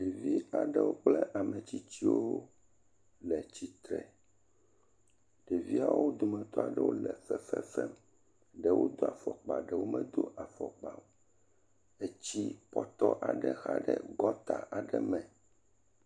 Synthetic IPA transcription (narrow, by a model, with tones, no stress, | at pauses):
ɖe˨vi˦a˨ɖɛ˦wo˦k͡plɛ˦ʔa˨mɛ˨t͡ɕi˦t͡ɕi˦wo˦ | lɛ˨t͡ɕi˦t̪ɾɛ˨ | ɖe˨vi˦a˨wo˦d̪o˨mɛ̃˨t̪ɔ˦a˨ɖɛ˦wo˦lɛ˨fɛ˦˨fɛ˦fɛ˦m | ɖɛ˨wo˦d̪o˦a˨fɔ˨k͡pa˨ɖɛ˨wo˦mɛ̃˨d̪o˦ʔa˨fɔ˨k͡pa˨m | e˦t͡ɕi˦pɔ˦t̪ɔ˦ʔa˨ɖɛ˨xa˦ɖɛ˦ɡɔ˦t̪a˨ʔa˨ɖɛ˦mɛ̃˨